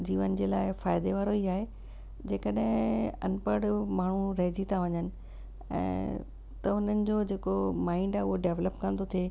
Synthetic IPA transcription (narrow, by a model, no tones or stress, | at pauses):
d͡ʑiːʋənɪ̆d͡ʑeːlaːɪfaːɪd̪eʋaːɾoiːaːɦe | d͡ʑeːkəɗɦɪ̃ɐnpəɽmaːɳ̤uɾɐɦɪd͡ʑit̪ʰaʋɐɲənɪ̆ | ɛ̰̃ː | t̪ɐʊn̤ənɪ̆d͡ʑoːd͡ʑeːkomaːɪɳɖaːʊɦoɖeːʋləpkɐ̃nd̪ot̪ʰieː